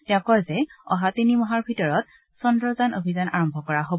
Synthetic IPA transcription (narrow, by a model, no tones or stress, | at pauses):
tɛʊ̃kɔjzɛɔɦatinimɔɦaɹbʱitɔɹɔt̚ | sɔndɹɔzanʔobʱizanaɹɔmbʱɔkɔɹaɦob